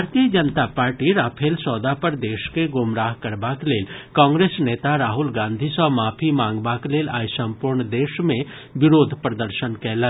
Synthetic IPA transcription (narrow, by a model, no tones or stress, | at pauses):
bʱaːɾt̪ijəd͡ʒənt̪apaːɾʈiɾaːpʰeːlsɔːd̪apəɾd̪eːʃkeɡʊmɾaːɦkɐɾbakleːlkãːŋɡɾeːsneːt̪aɾaːɦʊlɡãːnd̪ʱisɔmaːpʰimãːŋɡbakleːlaːjsə̃mpuːɾɳd̪eːʃmẽ | ʋɪɾoːd̪ʱpɾəd̪əɾʃənkɛːlə